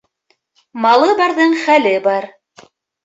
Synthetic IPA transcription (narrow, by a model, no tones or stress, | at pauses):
mɑlˠɤbɑɾðɤɴχælɘbɑɾ